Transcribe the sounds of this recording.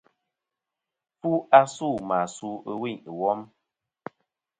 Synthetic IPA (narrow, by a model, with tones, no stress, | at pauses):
fu˦ʔa˦su˦˨ma˨su˦ə˦wi˦˨ɲ˨wɔ˦m